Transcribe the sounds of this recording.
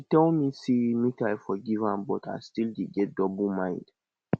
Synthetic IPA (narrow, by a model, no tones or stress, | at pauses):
itɛlmisimitajfɔɡivãmbɔtʰa̰jstildiɡɛt̚dɔbumãj̃nd